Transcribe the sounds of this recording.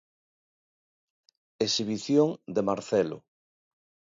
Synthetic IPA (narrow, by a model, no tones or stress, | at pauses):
esiβiθjoŋd̪emaɾθɛlo̰